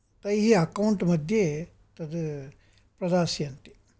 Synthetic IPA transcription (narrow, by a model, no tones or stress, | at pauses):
t̪ɐjɦiɐkɐuɳʈmɐd̪ʱje | t̪ɐd̪ | pɾɐd̪aːsiɐnt̪i̥